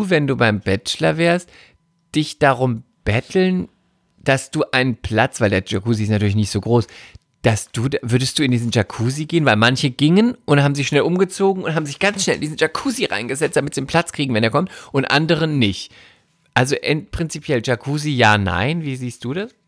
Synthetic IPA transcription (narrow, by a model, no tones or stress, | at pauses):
uːvɛnduːbaɪmbɛt͡ʃlɐvɛːɐst | d̥ɪçd̥aʁʊm | b̥ɛtʰl̩n | d̥asd̥uːʔaɪnənpʰl̥at͡sv̥aɪldeːɐʒakuːziɪstnatʰyːɐlɪçnɪçtz̥oːɡʁoːs | d̥asd̥uːdvʏɐdəstd̥uːɪndiːzn̩ʒakʰuːziɡeːənvaɪlmançəɡ̥ɪŋənʔʊnthaːbm̩zɪçʃnɛlʔʊmɡət͡soːɡŋ̩ʊntɦaːbm̩zɪçɡ̥ant͡sʃnɛlʔɪndiːzn̩ʒakʰuːziʁa̰ɪnɡəzɛt͡std̥amɪtz̥ienpʰl̥at͡skʁ̥iːɡŋ̩vɛneːɐkʰɔmtʔʊntʔa̰ndəʁ̞ənːɪçt | ʔalzoʔɛntpʁ̥ɪnt͡sipʰjɛlʒakʰuːzijaːna̰ɪnviːziːst̚d̥uːdas